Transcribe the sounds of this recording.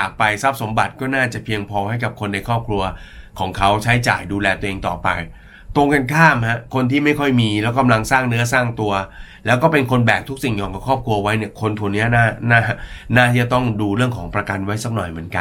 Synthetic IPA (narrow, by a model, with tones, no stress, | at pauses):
aː˨˩k̚pa˧jsa˦˥p̚so˩˦mba˨˩t̪̚kɔː˥˩naː˥˩t͡ɕa˨˩pʰi˧əŋpʰɔː˧ha˥˩jka˨˩p̚kʰo˧nːa˧jkʰɔː˥˩p̚kʰɾu˧ɐ | kʰɔː˩˦ŋkʰa˦˥wt͡ɕʰa˦˥jt͡ɕa̰ː˨˩jduː˧lɛː˧t̪u˧ə˧ʔeː˧ŋt̪ɔ̰ː˨˩pa̰˧j | t̪o˧ŋka˧nkʰaː˥˩mha˦˥kʰo˧nt̪ʰiː˥˩ma˥˩jkʰɔ˥˩jmiː˧lɛː˦˥wka˧mla˧ŋsaː˥˩ŋnɯ˦˥ɐsaː˥˩ŋt̪u˧ɐlɛː˦˥wkɔː˥˩pe˧nkʰo˧nbɛː˨˩k̚t̪ʰu˦˥k̚si˨˩ŋjɔː˧ŋka˨˩kʰɔː˥˩p̚kʰɾu˧ɐ˧wa˦˥jni˥˩ɐkʰo˧nt̪ʰu˧ni˦˥ɐnaː˥˩naː˥˩˥naː˥˩t̪ʰiː˥˩t͡ɕa˨˩t̪ɔ˥˩ŋduː˧ɾɯ˥˩əŋkʰɔː˩˦ŋpɾa˧ka˧nwa˦˥jsa˦˥k̚nɔ˨˩jmɯ˩˦ənka˧n